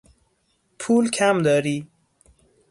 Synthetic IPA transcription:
pʰuːlkʰæmd̪ɒːɾiː

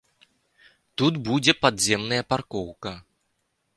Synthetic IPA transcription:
t̪ut̪bud͡zʲɛpad̪zʲɛmnɐjɐparkɔwkɐ

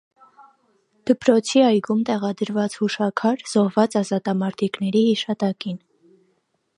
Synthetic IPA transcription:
d̪̥əpɾɔt͡sʰiɑjɡumt̪ɛʁɑd̪əɾvɑt͡shuʃɑkʰɑɾz̥ɔhvɑt͡sɑzɑt̪ɑmɑɾt̪ʰiknɛɾihiʃɑt̪ɑkin

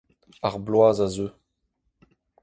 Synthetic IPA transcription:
aʁblwaːzazøː

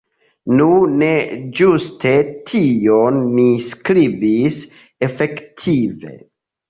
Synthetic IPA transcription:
nune̞d͡ʒustʰe̞tʰionːiskɾibis | efe̞ktʰive̞̰

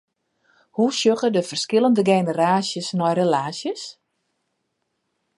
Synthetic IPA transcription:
husjøɣədəfərskɪlˠəndəɡeːnəɾaːsjəsnɔjrelaːsjəs

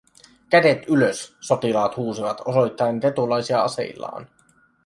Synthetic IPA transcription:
k̟æde̞t̪yløsːo̞t̪ilɑːt̪huːsiʋɑt̪oso̞jt̪ːɑent̪e̞t̪ulɑjsiɑɑse̞̰jlːɑ̰ːn

